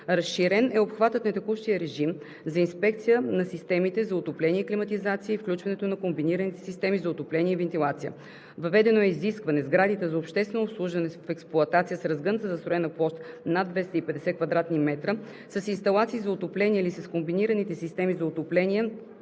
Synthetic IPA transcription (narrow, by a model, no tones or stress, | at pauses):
ɾɐsʃiɾɛnɛopxvat̪ət̪nɐt̪ɛkuʃt̪ijəɾɛʒim | zɐinspɛkt̪sijənɐsist̪ɛmit̪ɛzɐʊt̪oplɛniɛiklimɐt̪izat̪sijəifklʲut͡ʃvɐnɛt̪onɐkombiniɾənit̪ɛ̥sist̪ɛmizɐʊt̪oplɛniɛivɛnt̪ilˠat̪sijə̰ | vɐvɛd̪ɛnoɛiziskvɐnɛzɡɾad̪it̪ɛzɐopʃt̪ɛst̪vɛnoːslˠuʒvɐnɛfɛksplˠʊɐt̪at̪sijəsɾɐzɡənt̪əzɐst̪ɾʊɛnɐplˠɔst̪nad̪vɛst̪əipɛd̪ɛsɛkvɐd̪ɾat̪nimɛt̪ɾə | sɐsinst̪ɐlˠat̪siːzɐʊt̪oplɛniɛlisɐskombiniɾənit̪ɛsist̪ɛmizɐʊt̪oplɛniɛ